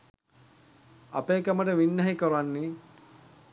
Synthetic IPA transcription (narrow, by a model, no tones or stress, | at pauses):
a̰peːkɐməʈəʋinːæɦikəɾanːi